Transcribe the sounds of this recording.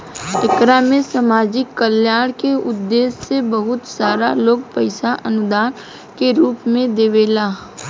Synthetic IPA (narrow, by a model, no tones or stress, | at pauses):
ɪkɾamẽsəmaːd͡ʒɪkːəljaːɽ̃keʊd̪ːeːsːebəɦʊt̪saːɾaloːɡ̚pəɪsaʔɐnʊd̪aːn | keɾuːpmẽd̪eːʋeːlaː